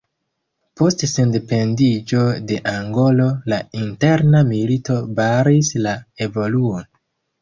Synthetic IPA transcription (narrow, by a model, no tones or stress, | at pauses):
po̞stse̞nde̞pe̞ndid͡ʒo̞de̞ʔaŋɡo̞lo̞lainte̞ɾnamilito̞baɾislae̞vo̞luo̞n